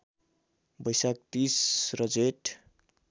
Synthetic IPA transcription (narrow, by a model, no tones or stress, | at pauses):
bʌjsak̚t̪isrʌd͡zeʈ